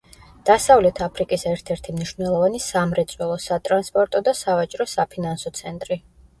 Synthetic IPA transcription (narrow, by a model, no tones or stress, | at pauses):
d̪̥asavlɛt̪ʰapʰɾikʼisɛɾt̪ʰɛɾt̪ʰimniʃv̥nɛlˠɔvanisamɾɛt̪sʼwɛlˠɔsat̪ʼɾanspʼɔɾt̪ʼɔd̪asavat͡ʃʼɾɔsapʰinansɔt̪sʰɛnt̪ʼɾi